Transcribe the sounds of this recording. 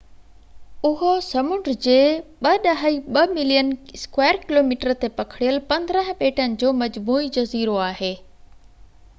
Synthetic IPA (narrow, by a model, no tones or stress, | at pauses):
ʊɦosɐmʊ̃ɳɖd͡ʑeːɓɐɗɐɦiɓɐmɪlijənskweːəɾkɪloːmiːʈəɾt̪epɐkʰɪɽijəlpɐ̃nd̪ɾə̃ɦ̆peːʈənɪ̆d͡ʑoːmɐd͡ʑmuːid͡ʑɐziːɾoaːɦeː